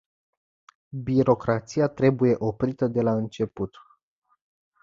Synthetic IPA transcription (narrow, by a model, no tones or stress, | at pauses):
biɾo̞kɾat̪siat̪ɾe̞buje̞ʔo̞pɾit̪əd̪e̞laɨnt͡ʃe̞put̪